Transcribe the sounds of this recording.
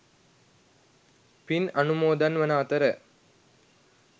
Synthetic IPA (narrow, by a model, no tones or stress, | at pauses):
pɪnɐnumoːd̪ɐnʋɐnaːt̪ɐɾɐ